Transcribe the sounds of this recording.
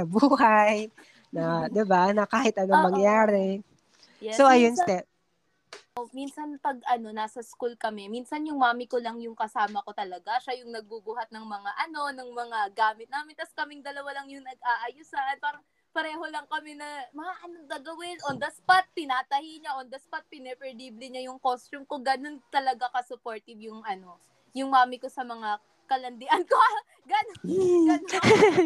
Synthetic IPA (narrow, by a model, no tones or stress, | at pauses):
ɐbuːɦaj | nɐd̪ɪbanɐkaːhɪt̪̚ʔɐnomɐŋjaːɾɛ | jɛsoʔɐjonst̪ɛ | ʔominsɐnpɐɡ̚ʔɐno̞naːsɐskulkɐmɛminsɐnjʊŋmaːmɪkolɐŋjʊŋkɐsaːmɐko̞t̪ɐlɐɡaʃajʊŋnɐɡ̚bubuhɐt̪̚nɐŋmɐŋaʔɐno̞nɐŋmɐŋaɡaːmɪt̪naːmɪnt̪ɐskɐmɪŋd̪ɐlɐwalɐŋjʊŋnɐɡ̚ʔaːʔɐjʊsanpaːɾɐŋ | pɐɾɛːho̞lɐŋkɐmɛnɐmɐŋaʔɐnoŋɡ̪ɐɡɐwɪnʔond̪ɐspat̪̚pɪnaːt̪ɐhiɲaʔond̪ɐspat̪̚pɪnɛpɛɾd̪iːblɪɲajʊŋkost͡ʃʊmkoɡɐno̞nt̪ɐlɐɡakɐsʊpoɹt̪ɪbjʊŋʔɐno̞ | jʊŋmaːmɪko̞sɐmɐŋa | kɐlɐnd̪ɪʔɐnko | ɡɐnonɡɐn